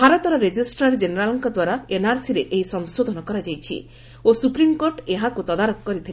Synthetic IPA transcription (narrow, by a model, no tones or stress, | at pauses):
bʱaɾɔt̪ɔɾɔɾed͡ʒisʈaɾd͡ʒeneɾalɔŋkɔd̪waɾaenaɾsiɾeʔejsɔŋsod̪ʱɔnɔkɔɾad͡ʒajt͡ʃʰḭ | osupɾimkoɾʈeɦakut̪ɔd̪aɾɔkkːɔɾit̪ʰil